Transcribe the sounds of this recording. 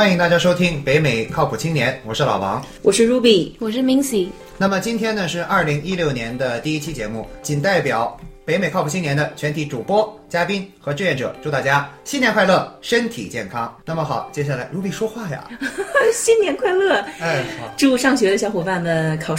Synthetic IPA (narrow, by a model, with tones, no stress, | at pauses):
xwa˥ni˧˩ŋt̪a˥˩t͡ɕja˥ʂo˥ʊt̪ʰi˥ŋpe˧˥ɪme˨˩ɪkʰɑ˥˩ʊpʰu˨˩t͡ɕʰi˥ŋnjɛ˧˥nwɔ˨˩ʂɻ̩˥˩lɑ̰˨˩ʊwɑ̰˧˥ŋ | wɔ˨˩ʂɻ̩˥˧ɻu˧˥pi˨˩wɔ˨˩ʂ̬ɻ̩˥˩mi˧˥ŋsi˨˩ | na˥˩mə˩t͡ɕi˥nt̪ʰjɛ˥nnə˨ʂɻ̩˥˧ʔɐ˞˥˧˩li˧˥ŋi˥ljo˥˩ʊnjɛ˧˥nd̪ə˧t̪i˥˧i˥t͡ɕʰi˥t͡ɕjɛ˧˥mu˥˩t͡ɕʰi˨˩nt̪a˥˩ɪpjɑ˨˩ʊpe˧˥ɪme˨˩ɪɑ˥ʊu˨˩t͡ɕʰi˥njɛ˧˥nd̪ə˧t͡ɕʰɥɛ˧˥nt̪ʰi˧˥ʈ͡ʂu˨˩pwɔ˥t͡ɕja˥pi˥ŋxɤ˧˥ʈ͡ʂɻ̩˥˧jɛ˥˩nʈ͡ʂɤ̰˨˩ʈ͡ʂu˥˧t̪a˥˩t͡ɕja˥ɕi˥njɛ˧˥nxwa˥˧ɪlɤ˥˩ʂə˥nt̪ʰḭ˨˩t͡ɕjɛ̰˥˩nkʰɑ˥ŋna˥˩mə˩xɑ˨˩˦ʊt͡ɕjɛ˥ɕja˥˩la˧˥ɪɻu˧˥˩pi˨˩ʂwɔ˥xwa˥˩jɐ̰˩ | ɕi˥nnjɛ˧˥nkʰwa˥˧ɪlɤ˥˩a˥˩xɑ˨˧˦ʈ͡ʂu˥˧ʂɑ˥˩ŋɕɥɛ˧˥d̪ə˧ɕjɑ˧˥xwɔ˨˩pa˥˩nmə˨nkʰɑ˨˩ʊ